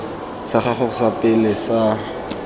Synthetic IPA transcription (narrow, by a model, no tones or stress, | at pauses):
saχaχʊχsapʼɪlɪsa